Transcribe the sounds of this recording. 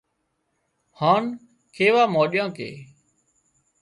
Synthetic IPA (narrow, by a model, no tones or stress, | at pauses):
haːn | kʰeːʋaːmoːɗjãːkḛː